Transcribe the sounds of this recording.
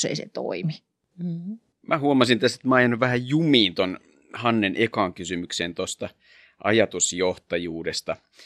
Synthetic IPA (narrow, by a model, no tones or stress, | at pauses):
sḛisḛt̪o̰imi | mʔæhuomɑsint̪æst̪e̥t̪mæɑjɑnʋæhæjjumiːnt̪on | hɑnːenʔekɑːŋkysymykseːnt̪ost̪ɑ | ʔɑ̰jɑt̪usjoht̪ɑjuːdest̪ɑ